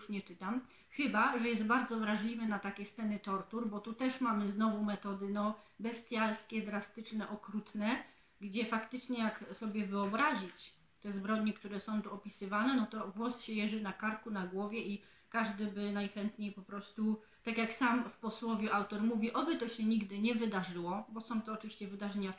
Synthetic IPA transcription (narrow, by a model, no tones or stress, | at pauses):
juʂɲɛt͡ʂɘt̪am | xɘbaʐɛjɛst̪̚baɾd̪zɔvɾaʐlʲivɛnat̪akʲɛst̪sɛnɘt̪ɔɾt̪uɾbɔt̪ut̪ɛʂmamɘznɔvumɛt̪ɔd̪ɘnɔ | bɛst̪ʲjalskʲɛd̪ɾast̪ɘt͡ʂnɛʔɔkɾut̪nɛ | ɡd͡ʑɛfakt̪ɘt͡ʂɲɛjaksɔbʲjɛvɘɔbɾaʑit͡ɕ | t̪ɛzbɾɔd̪ɲikt̪uɾɛsɔ̃w̃t̪uɔpʲisɘvanɛnɔt̪ɔvwɔsɕɛjɛʐɘnakaɾkunaɡwɔvʲjɛi | kaʐd̪ɘbɘnajxɛnt̪ɲejpɔpɾɔst̪u | t̪akʲjaksamfpɔswɔvʲjuʔawt̪ɔɾmuvʲiʔɔbɘt̪ɔɕɛɲiɡd̪ɘɲɛvɘd̪aʐɘwɔbɔsɔ̃w̃t̪ɔːt͡ʂvʲiɕt͡ɕɛvɘd̪aʐɛɲa